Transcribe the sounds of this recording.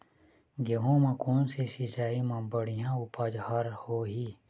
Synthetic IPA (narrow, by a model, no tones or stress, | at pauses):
ɡeɦõmãkoːnsesɪt͡ʃaːimãbəɽijãʊpad͡ʒhaɾhoɦiː